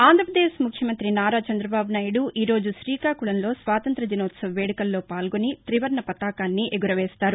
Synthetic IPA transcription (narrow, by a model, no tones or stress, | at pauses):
aːnd̪ɾɐpɾɐd̪eːʃmukʰjɐmɐnt̪ɾinaːɾaːt͡ʃɐnd̪ɾɐbaːbunaːjɐɽuiːɾo̞ːd͡ʒuʃɾiːkaːkuɭɐnlo̞ːsʋaːt̪ɐnt̪ɾɐd̪inoːt̪sɐʋɐʋeːɽikɐlːo̞ːpaːlɡo̞nit̪ɾiʋɐɾɳɐpɐt̪aːkaːnːiʔeɡuɾɐʋɛːst̪aːɾu